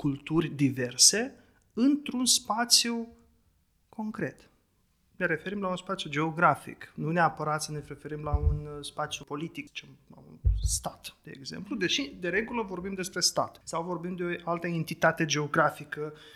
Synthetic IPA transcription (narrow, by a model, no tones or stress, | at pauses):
kult̪urʲd̪ive̞rse̞ | ɨnt̪ɾunspat̪sju | kʰo̞ŋkɾe̞t̪ | neɾe̞fe̞ɾimlaunspat̪sjud͡ʒe̞o̞ɡɾafḭknuneapəɾat̪səneɾe̞fe̞ɾimlaunspat̪sjupo̞lit̪ikt͡ʃemla̰ṵnst̪at̪d̪̥e̞ḛːɡze̞̰mplud̪e̞ʃid̪e̞ɾe̞ɡuləvo̞rbimd̪e̞spɾe̞st̪a̰t̪sawvo̞rbimd̪eoalt̪əent̪it̪at̪e̞d͡ʒe̞o̞ɡɾafikə